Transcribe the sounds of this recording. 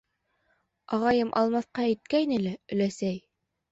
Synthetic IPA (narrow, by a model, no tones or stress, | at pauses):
ɑʁɑjɤmʔɑ̰lˠmɑθqɑæjt̪̚kæjnɘlæɵ̆læsæj